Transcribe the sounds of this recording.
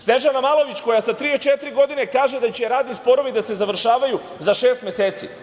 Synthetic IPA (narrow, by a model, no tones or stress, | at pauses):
sneʒanamalˠo̞ʋit͡ɕko̞jasat̪ɾiet͡ʃet̪iɾiɡo̞d̪ine̞kaːʒe̞d̪at͡ɕeɾaːd̪nispo̞ɾo̞ʋid̪ase̞zaʋɾ̩ʃaːʋaju | zaʃe̞ːst̪mjeseːt̪sḭ